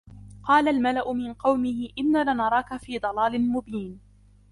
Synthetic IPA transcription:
qɑːlalmalaʔʊmɪnqɑwmɪhɪʔɪnːaːlanɑɾˤɑːkafiːd̪ˤɑlɑːlɪmʊbiːn

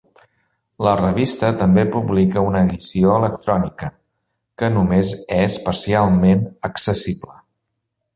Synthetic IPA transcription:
lərəβ̞ist̪ət̪əmbepuβlikəunəːðisioələkt̪ɾɔnikə | kənumezɛspəsialˠmenəksəsiblə

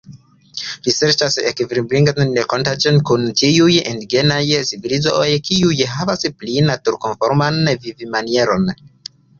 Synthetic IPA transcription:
ɾiseɾt͡ʃasḛkvɾibɾiŋɡandekontat͡ʃonkunt͡ʃiujendiɡenajsivilizoojkʰiujɦavasplinatuɾkonfoɾmanvivimanieɾo̞n

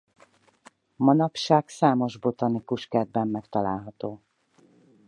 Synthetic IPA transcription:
mɒnɒpʃaːksaːmo̞ʒbo̞t̪ɒnikuʃkɛd̪̚bɛmːɛkt̪ɒlaːlɦɒt̪oː

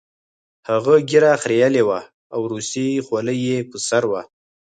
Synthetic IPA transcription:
haɣaɡiɾaxɾejalewa | awɾust̪exwaləjːepəsaɾwa

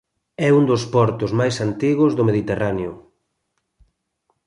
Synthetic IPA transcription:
ɛund̪ospɔɾt̪ʊzmajsant̪iɣʊzðomeðit̪eraneʊ

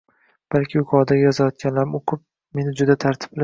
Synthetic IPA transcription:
b̥alkʲʰɪjʊkʰɒd̪ajɒzajɒt̪̚kʲʰanlaɾɪmoqʰɨp̚ | me̞nɪd͡ʒʊd̪at̪ʰaɾt̪ʰɪ̥pbɪla

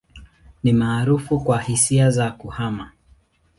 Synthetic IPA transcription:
nimaːɾufukwahisiazakuhama

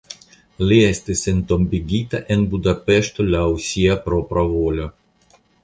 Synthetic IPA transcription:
liɛst̪esent̪ombiɡʲit̪aʔenbud̪apeʃt̪olʲausʲiapɾopɾavolʲo

